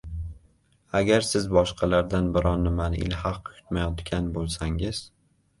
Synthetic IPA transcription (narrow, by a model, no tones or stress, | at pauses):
aɡʲaɾsɪzbɒʃqʰɑlaɾd̪anbɪɾʔɒnːɪmanɪ̰lhɑqːʊ̥jʰʊ̥t̪majɒt̪ɡʲanbolˠsaŋɪz̥